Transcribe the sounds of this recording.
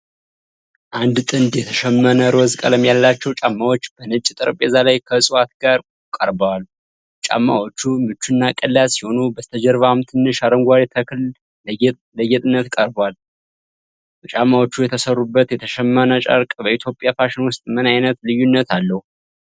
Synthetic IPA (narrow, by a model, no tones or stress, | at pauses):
ʔand̪t̪ʼɨnd̪jɛt̪ʰəʃɛmːənəɾwɔzkʼə̰ləmjalːat͡ʃːɛwt͡ʃʼamːawot͡ʃːb̥ənɨt͡ʃʼt̪ʼɨɾpʼɛzalajkʰəsʼɨwat̪ɡaɾ | kʼəɾbəwal | t͡ʃʼa̰mːa̰wot͡ʃːumɨt͡ʃːunːakʼəlːasiho̞nubəst̪ʰəd͡ʒɛɾvamt̪ʰɨnːɨʃaɾəŋɡʷaɾet̪ʰəkʰl | ləɡɛt̪ʼɨnːət̪kʼəɾbwal | t͡ʃʼamːawot͡ʃːujɛt̪ʰəsərːubːət̪jɛt̪ʰəʃɛmːənət͡ʃʼə̰ɾkʼbəit̪ʰjo̞pʼjafaʃɪnwʊst̪ʼmɨnajnət̪lɨjunːət̪ʰalːəhu